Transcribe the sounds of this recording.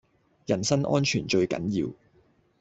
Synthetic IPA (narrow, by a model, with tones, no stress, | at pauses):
jɐ˨˩nsɐ˥nʔɔ̰ː˥nt͡ʃʰyː˨˩nt͡ʃɵ˧ɥkɐ̰˨˥njiː˧w